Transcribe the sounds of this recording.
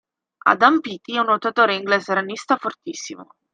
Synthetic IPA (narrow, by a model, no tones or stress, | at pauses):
a̰d̪ampit̪iɛunːot̪at̪oːɾeiŋɡlezeɾanist̪afort̪isːimo̰